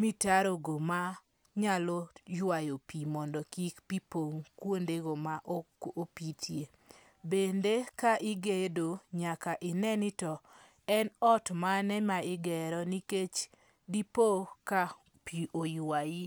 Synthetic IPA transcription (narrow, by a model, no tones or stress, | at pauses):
mitaɾoɡoma | ɲalɔjwajopimɔndɔkikpipoŋkwondeɡomaʔopitʰje | bendekaʔɪɡedoɲakaʔɪnɛnɪtɔ | ɛnɔtmanɛmaɪɡɛɾɔniket͡ʃ | dipoka | piʔojwaji